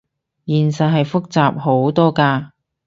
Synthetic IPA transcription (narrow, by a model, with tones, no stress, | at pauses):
jiː˨˩nsɐ˨t̚ɦɐ˨jfʊ˥k̚t͡saː˨p̚ho˨˥wt̪ɔː˥kaː˧